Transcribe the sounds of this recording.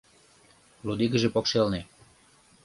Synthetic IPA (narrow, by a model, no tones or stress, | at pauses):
lud̪iɡə̆ʒĕpokʃelne